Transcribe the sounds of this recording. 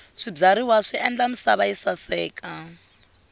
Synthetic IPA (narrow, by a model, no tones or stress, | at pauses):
ʂib͡ʐaɾiwaʂiɛnd͡ɮam̩saβaisasɛːkʼa